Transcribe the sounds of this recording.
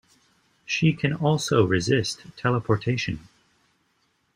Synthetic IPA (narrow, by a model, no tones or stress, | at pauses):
ʃikʰɨ̃nɔlˠsoʊɹɨzɪstʰɛlˠəpʰɔɹtʰeɪʃɨ̰̃n